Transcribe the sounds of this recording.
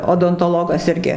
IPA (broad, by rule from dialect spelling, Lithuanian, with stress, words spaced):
oːdoːntoːˈlˠoːɡɐs ˈɪrʲɡʲɪ